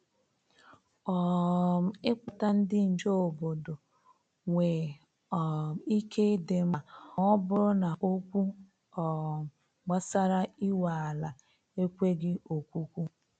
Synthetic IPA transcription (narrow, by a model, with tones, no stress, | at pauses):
ɔ˨ | ɪ˦k͡pʊ˨ta˦n̩˦dɪ˦n̩˨d͡ʒo˦o˨bo˨do˨ | ŋʷe˨ | ɔ˨i˦ke˦de˨ma˨ɔ˦bʊ˦ɾʊ˦na˨ʔo˦kʷu˦ | ɔ˨ | ɡ͡ba˦sa˦ɾa˦i˦wa˨a˨la˨ | e˦kʷe˦ɡɪ˦o˨kʷu˦kʷu˦